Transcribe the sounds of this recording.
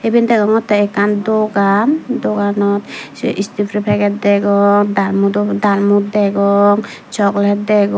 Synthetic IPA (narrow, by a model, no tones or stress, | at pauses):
ebind̪ɛɡɔŋɔt̪ːɛɛkand̪ɔɡamd̪ɔɡanɔt̪ʔist̪ipʰɾipʰɛɡɛt̪̚d̪ɛɡɔŋd̪almud̪ɔd̪almut̪̚d̪ɛɡɔŋt͡ʃɔklɛt̪̚d̪ɛɡɔ